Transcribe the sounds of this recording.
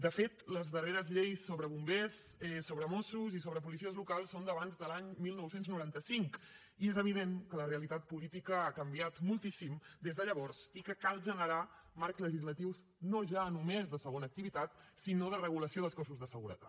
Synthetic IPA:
d̪əfet̪ləzðəreɾəzʎejsːoβɾəβumbes | ɛsːoβɾəmɔsuzisoβɾəp̬ulis̬iəzlukalˠsːond̪əβanzðəlaɲmilˠnɔwsenznuɾant̪əsiŋk | iezəβiðenkələreəlit̪at̪̚pulit̪ikəakəmbiat̪mulˠt̪isimd̪ezðəʎəβɔrz̥ikəkalˠʒənəɾamaɾkzləʒizlət̪iwz | noʒanumezðəsəɣonəːk̚t̪iβit̪at̪sinoðərəɣ̞uləsioðəlˠskɔsuzðəsəɣuɾə̰t̪a̰t̪

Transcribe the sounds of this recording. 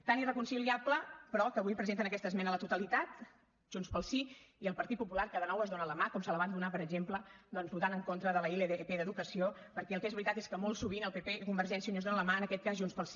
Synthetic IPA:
t̪anirəkunsiliapləpɾɔkəβujpɾəzent̪̬ənəkɛst̪əzmɛnələt̪ut̪əlit̪at̪ | ʒ̥unspəlˠsiiəlˠpəɾt̪it̪̚pupulaɾkaðənɔwəzðonələmakɔmsələβand̪unapəɾəɡʒempləd̪ɔnzβut̪anəŋkont̪ɾəðələileðeepeðəðukəsio | pəɾkɛəlˠkezβɾit̪at̪eskəmɔlˠsuβ̞inəlˠpepekumbəɾʒɛnsiunəzðonələmaənəkɛt̪̚kazʒunspəlˠsi

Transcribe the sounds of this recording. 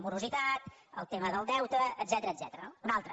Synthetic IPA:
muɾuzit̪at̪ə̰lˠt̪eməðəlˠd̪ɛwt̪əːd̪zɛt̪əɾəd̪zɛt̪əɾənounalˠt̪ɾə

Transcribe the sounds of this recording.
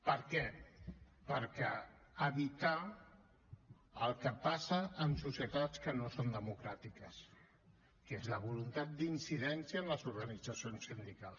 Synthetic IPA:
pəɾkɛ | pəɾkɛ | əβit̪a | əlˠkəpasəːmsusjət̪at͡skənosond̪əmukɾat̪ikəs | kezləβulunt̪at̪̚d̪insiðɛnsiəːnləzuɾɣənid͡zəsionsːind̪ikalˠs

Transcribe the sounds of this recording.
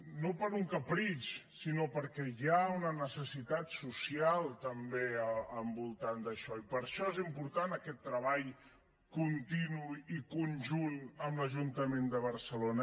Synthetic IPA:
nopəɾuŋkəpɾit͡ʃsinopəɾkɛjaunənəsəsit̪at̪susialˠt̪əmbeəmbulˠt̪and̪əʃɔipəɾʃɔezimpuɾt̪anəkɛt̪ːɾəβaʎ | kunt̪inuikunʒunəmləʒunt̪əmend̪əβ̞əɾsəlonə

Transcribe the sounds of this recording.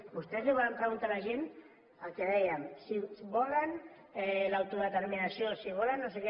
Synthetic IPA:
ɡust̪euβampɾaɣunt̪aβaʒin | akeðajamsiβolan | lawt̪uβat̪aɾminasiosiɣolanasek

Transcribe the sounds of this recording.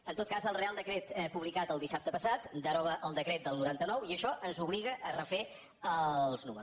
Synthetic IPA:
ənt̪ot̪̚kazəlˠrealˠd̪əkɾet̪ɛpuβlikat̪əlˠd̪isap̚t̪əpəsat̪d̪əɾɔβəʔəlˠd̪əkɾet̪̚d̪əlˠnuɾant̪ənɔwiəʃɔʔənzuβliɣəʔərəfe | əlˠznuməɾus

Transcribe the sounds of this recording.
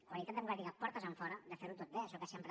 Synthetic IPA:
kwalit̪at̪d̪əβuɣaðiɣapɔɾt̪əzəɱfɔɾəd̪əfeɾut̪ot̪̚beəʃɔkasempɾə

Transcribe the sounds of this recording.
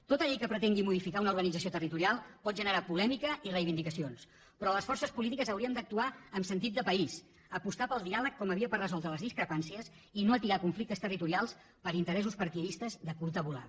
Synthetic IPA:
t̪ot̪əʎɛkəpɾət̪eŋɡimuðifikaunəuɾɣənidd͡zəsijot̪ərit̪uɾialˠpɔt̪̚ʒənəɾapulɛmikəirəjβind̪ikəsions | pɾɔləsfɔrsəspulit̪ikəzəwɾiəmd̪ək̚t̪uaəmsənt̪it̪̚d̪əpəis | əpust̪apəlˠd̪ialəkkːɔməβiəpərrəzɔlˠd̪ɾələzðiskɾəpansiəs | inoət̪iɾakuɱflik̚t̪əst̪ərit̪uɾialˠs | pəɾint̪əɾɛsuspəɾt̪iəðist̪əzðəkulˠt̪əβula̰

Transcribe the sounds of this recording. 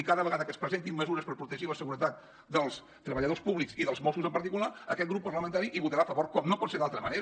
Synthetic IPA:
ikaðəβəɣaðəkəspɾəzent̪immːəzuɾəspəɾpɾut̪əʒiləsəɣuɾət̪at̪̚ | d̪əlˠs | t̪ɾəβəʎəðospuβliksiðəlˠzmɔsuzəmpəɾt̪ikulaə̰kɛt̪ɡɣɾupːəɾləmənt̪aɾiʔiβut̪əɾafəβoɾkɔmnopɔt̪seðalˠt̪ɾəmə̰neɾ

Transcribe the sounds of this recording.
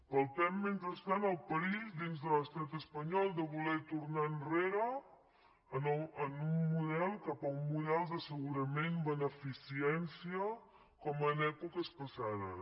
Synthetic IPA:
pəlˠt̪ɛmment̪ɾəst̪anəlˠpəizd̪inzðələst̪at̪əspəɲɔlˠd̪əβulɛt̪uɾnaənreɾəː | nənumːuðɛlˠkapəumːuðɛlˠd̪əsəɣuɾəmenbənəfisiɛnsiə | kɔmənɛkukəspəsaðə̰

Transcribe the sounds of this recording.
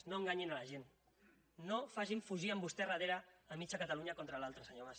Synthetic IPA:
noəŋɡaɲinaləʒenː | ofaʒiɱfuʒiəmbust̪ɛrəð̞eɾəːmit͡ʃakət̪aluɲakont̪ɾəlalˠt̪ɾəsəɲomas

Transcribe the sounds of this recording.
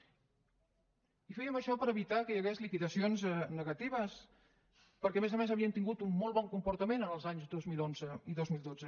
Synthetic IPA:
ifɛjəməʃɔpəɾəβit̪akəjəɣezlikiðəsionznəɣət̪iβ̞əs | pəɾkɛəmezəmezəβiənt̪iŋɡut̪umːɔlˠβɔŋkumpuɾt̪əmenənəlˠzaɲzd̪ozmilˠonzəiðozmilˠd̪od͡zə

